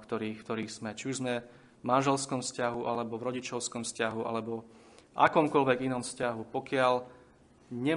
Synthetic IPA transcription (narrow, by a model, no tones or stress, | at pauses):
kt̪ɔɾiːkt̪ɔɾiːɣz̥mɛt͡ʃiuʒzmɛ | vmanʒɛlskɔmfscaɦuʔalɛbɔvɾɔɟit͡ʃɔʊskɔmfscaɦuʔa̰lɛbɔ | ʔa̰kɔmkɔlʋɛɡinɔmfscaɦupɔkɪal | ɲɛ